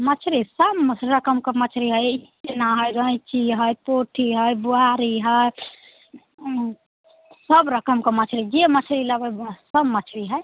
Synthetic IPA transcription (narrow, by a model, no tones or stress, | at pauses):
mət͡ʃʰɾisəbɾəkəmkemət͡ʃʰɾiɦəji | enaɦəjɾə̃jt͡ʃiɦəjpoʈʰiɦəjbuaɾiɦəj | səbɾəkəmkemət͡ʃʰɾid͡ʒemət͡ʃʰɾiləbəjsəbmət͡ʃʰɾiɦəj